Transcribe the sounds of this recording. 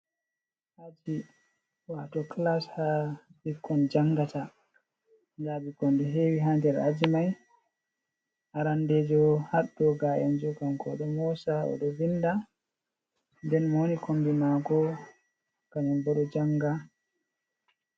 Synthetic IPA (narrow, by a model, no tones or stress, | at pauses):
ʔad͡ʒi | watɔklashabikːɔnd͡ʒaŋɡata | d͡ʒabikondiɦeːwiɦandɛɾad͡ʒimaj | ʔaɾandɛd͡ʒɔhaɗːɔɡajand͡ʒɔkankɔɗɔmɔsaɔ̰ɗɔvinda | ndɛnmonikʰondimaɡɔ | kaɲɔmbɔɗɔd͡ʒaŋɡa